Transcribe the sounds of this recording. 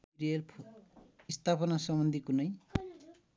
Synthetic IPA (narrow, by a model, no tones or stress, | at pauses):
ɾiʌlʰ | ist̪ʰapʌnasʌmbʌnd̪ʱikunʌj